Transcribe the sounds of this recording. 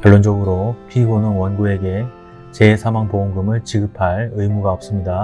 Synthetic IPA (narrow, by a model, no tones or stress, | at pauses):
kjʌɭːond͡ʑʌɡɯɾopʰiɡonɯŋwʌnɡue̞ɡe̞ | t͡ɕe̞sʰamaŋpoumɡɯmɯɭt͡ɕiɡɯpʰaɭɯjmuɡaop̚s͈ɯmɲida